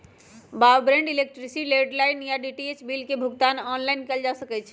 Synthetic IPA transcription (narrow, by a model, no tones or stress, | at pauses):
bawbɾẽɳɖilek̚ʈɾisileɖlajnjaɖiʈiet͡ʃbilkebʱuɡt̪anɔnlajnkɛld͡ʒasəkɛt͡ʃʰ